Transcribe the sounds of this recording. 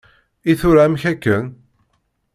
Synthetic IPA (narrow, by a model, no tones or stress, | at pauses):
iθʊɾamçækːən